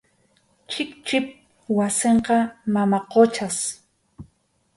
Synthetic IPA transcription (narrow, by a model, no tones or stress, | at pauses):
t͡ʃɪkt͡ʃɪp̚ | waseɴqɑmamaqot͡ʃas